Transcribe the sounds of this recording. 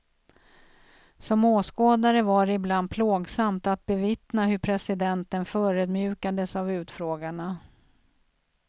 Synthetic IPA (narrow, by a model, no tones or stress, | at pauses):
sɔmoːskoːd̪aɾəvaɾɪbland̪̚pʰloːɡsamt̪at̪̚bɛvɪt̪naɦɵɾpʰɾɛsɪd̪ɛnt̪ənfœːɾɵd̪mjʉ̟ːkad̪əsavʉ̟ːt̪fɾoːɡaɳa